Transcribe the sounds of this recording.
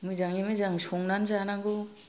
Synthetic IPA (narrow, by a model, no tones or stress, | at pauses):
mɯzaŋimɯzaŋsɔŋnanzanaŋɡo